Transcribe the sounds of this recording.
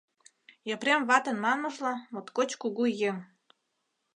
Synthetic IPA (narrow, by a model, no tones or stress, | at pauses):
jəpɾemβɑt̪ɤ̆nmɑnɤ̆ʒlɑmot̪kot͡ɕkuɣujeŋ